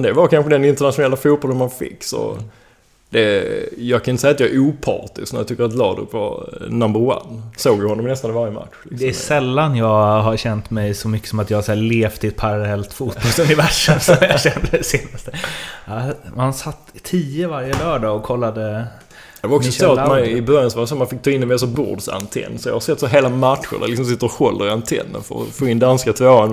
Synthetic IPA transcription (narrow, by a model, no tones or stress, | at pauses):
d̪ɛvaɾkʰanɧəd̪ɛnɪnt̪əɳat̪ɧʊnɛlːafuːt̪̚bɔlənmanfɪ̰kːsɔ̰ | d̪̥ɛjɑːɡkʰanɪt̪əsjːat̪jɑɛɾuːpʰɑ̰ːt̪ɪsknæɾjɑt̪ʰʏkːəɾat̪lɑ̰ːd̪ʊ̰pvɑ̰ɾnambəɾwa̰nːsoːɡjəhɔnːɔmnɛst̪anɪvaɾjəma̰t̪ɧlɪd̪ɛæsɛlːanjɑːɡɦaɾɕɛnt̪mɛjsɔmʏkːə̥sɔmat̪jɑːhasæːleːft̪ʰɪɛt̪̚pʰaɾalɛlt̪fuːt̪̚b̥ɔlsɵnɪvæʂəmsɔmjaɕɛnd̪əd̪ɛseːnast̪əahansat̪ːʰiːəvaɾjəlœːɖɑːɔkʰɔlːad̪ə | d̪ɛvaɾɔkssɔsoat̪manɪbœɾjansɔvasomanfɪk̚ːt̪ʰɑːɪnːɛmɛs̬ɔbʊ̰d̪sa̰nt̪ʰɛ̰nːsɔjɑ̰haɾsɛt̪ːsoɦeːlamat̪ɧə̰ɾd̪a̰ɾlɪksɔmsɪt̪ːəɾɔhɔlːəɾɪant̪ʰɛ̰nːə̰nfœ̰ɾɔ̰foːɪnd̪anskat̪ʰvoːan